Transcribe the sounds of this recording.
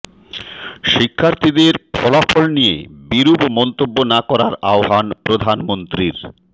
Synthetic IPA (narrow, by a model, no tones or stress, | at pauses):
ʃikʰːaɾt̪ʰid̪eɾpʰɔlafolnijḛbiɾubmɔnt̪obːonakɔɾaɾaoɦanpɾod̪ʱanmont̪ɾiɾ